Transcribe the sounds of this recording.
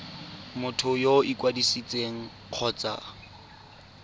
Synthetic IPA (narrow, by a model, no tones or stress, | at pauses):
mʊtʰʊjoikwadisit͡sʼeŋ̩ | q͡χʰɔːt͡sa̰